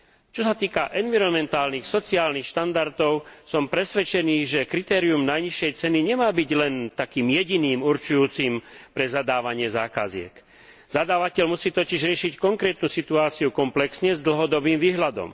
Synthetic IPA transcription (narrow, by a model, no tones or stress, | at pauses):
t͡ʃɔsat̪iːkaʔɛnʋiɾɔnmɛnt̪aːlnixsɔt͡siaːlnixʃt̪and̪aɾt̪ɔʊsɔmpɾɛsʋɛt͡ʃɛniːʒɛkɾit̪ɛːɾiumnajɲiʃɛjt͡sɛniɲɛmaːbiɟlɛnt̪akiːmjɛɟiniːmuɾt͡ʃujuːt͡siːmpɾɛzad̪aːʋaɲɪɛzaːka̰zɪɛ̰k | zad̪aːʋacɛʎmusiːt̪ɔciʒɾɪɛʃickɔŋkɾɛːt̪nuːsit̪uaːt͡siukɔmplɛksɲɛzd̪l̩ɦɔd̪ɔbiːmʋiːɦlad̪ɔ̰m